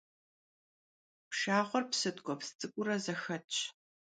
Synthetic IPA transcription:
pʃaːχʷɔrpsɨtʼɡʷʼɔpst͡sʼɨkʷʼʊɾɐzɐxɐt͡ʃʼʰ

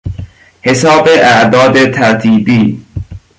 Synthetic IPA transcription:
hesɒːbeʔæʔd̪ɒːd̪et̪ʰæɾt̪ʰiːbiː

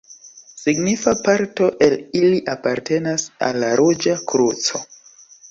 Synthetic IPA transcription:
siɡnifapaɾto̞ʔeliliʔapaɾte̞nasa̰lːaɾʔud͡ʒakɾut͡so̞

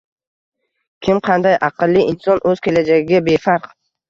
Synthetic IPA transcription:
kʲʰɪmqʰɑnd̪ajʔɑqɨlːɪɪnsɒnʔɵz̥kʲe̞lad͡ʒaɡʲɪɡʲabe̞faɾq

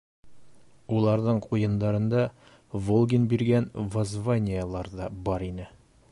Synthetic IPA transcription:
ulˠɑɾðɤɴqujɤ̆nd̪ɑɾɤ̆nd̪ɑ | volˠɡʲinbiɾɡænvozvanʲɪjəlˠɑɾd̪ɑbɒɾinɘ

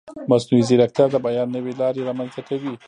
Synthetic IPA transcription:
maznuizɪɾakt̪jɑɾd̪əbajɑnːəwelɑɾeɾɑmanzakawi

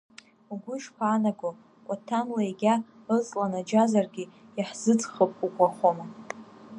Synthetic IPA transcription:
uɡʷʊʃpʷʰaːnaɡo | kʷʼatʰanlaeɡʲa | ət͡sʼlanad͡ʒazarɡʲi | aħzɨt͡sʼχəpʼukʷʼaχʷoma

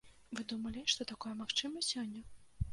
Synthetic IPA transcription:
vɨd̪umɐlʲiʂt̪ɔt̪akɔjɐmaxt͡ʂɨmɐsʲɔnʲːɐ

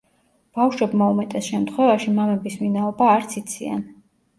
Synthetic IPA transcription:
b̥afʃwɛbmaumɛt̪ʼɛsʃɛmt̪ʰχwɛvaʃimamɛbisminaɔbaːɾt̪sʰit̪sʰia̰n

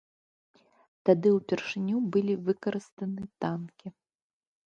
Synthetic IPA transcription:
t̪ad̪ɨwpʲɛrʂɨnʲubɨlʲivɨkɐɾɨst̪ɐnɨt̪ankʲi

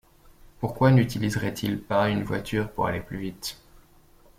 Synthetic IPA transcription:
puʁkwanyt̪ilizʁɛt̪ʰilpaynvwa̰t̪ʰyʁpuʁa̰leplyvit̪

